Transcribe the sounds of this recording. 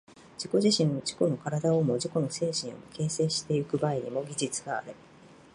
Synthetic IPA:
d͡ʑ̥iko̞ʑiɕĩno̞d͡ʑi̥ko̞no̞kaɾad̪aomo̞d͡ʑiko̞no̞se̞ːɕĩɰ̃o̞̰moke̞ːse̞ːɕi̥t̪e̞ikɯ̟baiɲ̟imo̞ɡʲiʑit͡sɨɡa̰ːɾe

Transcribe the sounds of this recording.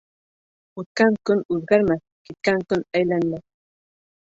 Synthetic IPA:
ʊt̪̚kaŋkʊnʊlɢɑɾma | kɪt̪̚kaŋkʊnajlanla

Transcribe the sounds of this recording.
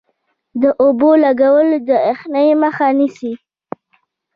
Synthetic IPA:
d̪əʔobolaɡawəld̪əexnajeməxanisi

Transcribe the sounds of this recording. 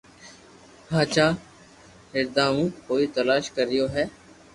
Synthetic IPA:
ɦãːt͡ʃaː | ɦɪɾd̪aːmũːkoːiːt̪əlaːʃkəɾɪjoːɦɛː

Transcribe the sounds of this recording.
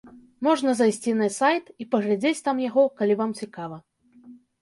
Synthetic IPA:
mɔʐnɐzajsʲt͡sʲinɐsajt̪ipɐɣlʲad͡zʲet͡sʲt̪amjaɣɔkalʲivamt͡sʲikavɐ

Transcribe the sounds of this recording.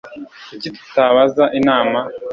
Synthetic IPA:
iciti̥taβazaʔinaːma

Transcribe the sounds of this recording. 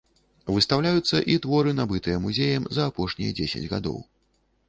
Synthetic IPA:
vɨst̪awlʲajut̪sːɐʔit̪vɔɾɨnabɨt̪ɨjɛmuzʲejɐmzɐːpɔʂnʲḭjɐ̰d͡zʲesʲɐ̰d͡zʲɣa̰d̪ɔ̰w

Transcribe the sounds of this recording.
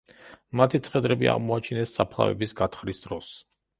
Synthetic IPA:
mat̪ʰit̪sʰʼχɛd̪ɾɛbia̰ʁmɔat͡ʃʰinɛsːapʰlˠa̰vɛ̰bisɡat̪ʰχɾisd̪ɾɔs

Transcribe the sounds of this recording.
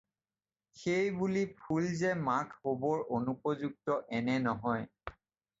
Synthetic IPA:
xejbulipʰulzɛmakʰhobɔɹonupɔzuk̚tɔʔɛnɛnɔɦɔj

